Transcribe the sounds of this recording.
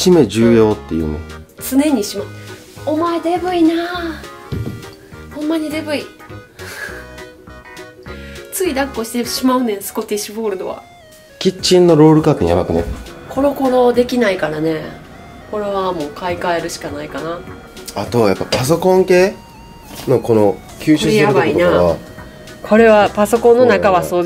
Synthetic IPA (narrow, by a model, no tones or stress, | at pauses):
ime̞d͡ʑɨːjo̞ːt̪ːe̞jɯ̟̰ːnet͡sɨne̞ɲ̟iɕima | omaed̪e̞bɯ̟inaː | hõ̞mːaɲ̟id̪e̞bɯ̟i | t͡sɨid̪akːo̞ɕi̥t̪eɕimaɯ̟nesɨ̥ko̞t̪eɕibo̞ːɾɯd̪o̞̰βa̰ | kʲit͡ɕĩnːo̞ɾo̞ːɾɯ̟kaːt̪ɲḭjabakɯ̟nḛkʰo̞ɾo̞ko̞ɾo̞d̪e̞kʲinaikaɾane̞ | ko̞ɾe̞βamo̞ːkaikaeɾɯ̟ɕi̥kanaikana | at̪o̞βajapːapas̬o̞kõ̞ŋke̞ː | no̞ko̞no | kʲʰɨːɕjabaiinaβ | kʰo̞ɾe̞βapaso̞kõ̞nːo̞nakaβaso̞ː